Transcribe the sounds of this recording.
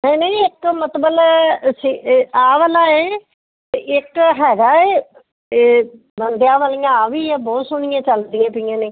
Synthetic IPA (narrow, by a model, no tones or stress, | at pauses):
nəinə̃ĩɪkmət̪bəlsiaːʋəlaːeː | ɪkɦɛːɡaːeː | bənd̪jãːʋaːliːãːaːʋiːɛːbɔːt̪sʊñɪ̃jãːt͡ʃəld̪iãːpɪjãːneː